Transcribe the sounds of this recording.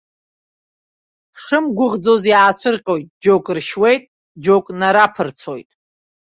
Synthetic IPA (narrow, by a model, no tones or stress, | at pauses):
ʂɨmɡʷʊʁd͡zo̞zjaːt͡ʃʷʰɨrqʲʼo̞jtʼd͡ʒokʼrʃwe̞jtʼ | d͡ʒokʼnaɾapʰɨrt͡sʰo̞̰jtʼ